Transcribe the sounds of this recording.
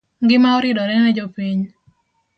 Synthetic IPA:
ŋɡɪmaɔɾɪdɔɾɛnɛd͡ʒɔpiɲ

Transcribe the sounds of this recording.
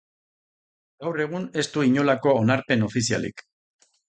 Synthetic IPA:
ɡ̥awre̞ɣ̞une̞st̪uiɲo̞lako̞ːnaɾpe̞no̞fisia̰lḭk

